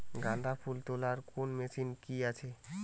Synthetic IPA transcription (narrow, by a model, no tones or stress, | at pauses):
ɡãnd̪ʱapʰult̪olaɾkonmesinkiat͡ɕʰe